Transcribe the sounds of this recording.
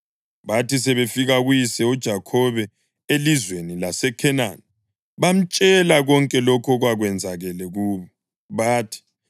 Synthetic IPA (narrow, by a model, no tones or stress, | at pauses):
βatʰisɛβefiɣaɣujisɛud̥ʒ̥ʱakʰɔβɛ | elizwenilasɛkʰɛnani | βam̩t͡ʃʼɛlaɣɔŋkʼɛlɔkʰɔɣwaɣwɛnd͡zʱaɣɛlɛɣuːβɔ | βaːtʰi̥